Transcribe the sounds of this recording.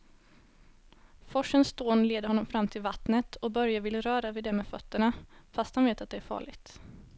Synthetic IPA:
fɔʂənst̪oːnleːd̪əɾɔnːɔmfɾamːt̪ʰɪlvat̪nət̪ʰɔbœɾjavɪlːɾœːɾavɪd̪ɛmeːfœt̪ːəɳafast̪hanveːt̪at̪̚d̪ɛæɾfɑ̰ːɭɪɡt̪

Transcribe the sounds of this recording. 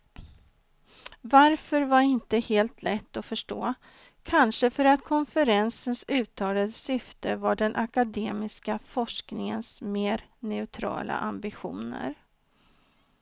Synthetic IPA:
vaɾfœɾvaɾɪnt̪əheːlt̪ʰlɛt̪ːɔfœʂʈoː | kʰanʂəfœɾat̪kʰɔnfəɾɛnsənsʉ̟ːt̪ʰɑːlad̪əsʏft̪əvaɖɛnʔakad̪eːmɪskafɔʂknɪŋənsmeːɾnɛʉt̪ʰɾɑ̰ːlʔa̰ʔambɪɧṵːnə̰ɾ

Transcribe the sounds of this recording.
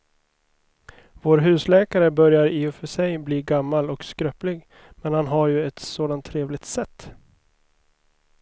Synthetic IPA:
voːɾɦʉ̟ːslɛːkaɾəbœɾjaɾiːʊfœʂɛjbliːɡamːalɔkskɾœplɪɡ | mɛnhanɦaɾjɵɛt̪soːd̪ant̪ʰːɾeːvlɪɡ̚t̪sɛt̪ː

